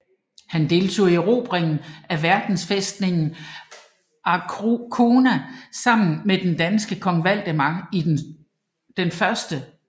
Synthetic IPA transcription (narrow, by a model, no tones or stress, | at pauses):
hænd̥e̝lt͡sʰo̝̰ːiiʁo̝ːb̥ʁeŋn̩æʋæɐd̥n̩sfesd̥ne̝ŋn̩ | ɑkʰo̝ːnæsɑ̈m̰n̩med̥end̥ænsɡ̥əkʰɒ̽ŋʋæl̰d̥əmɑi | d̥enfɶɐsd̥ə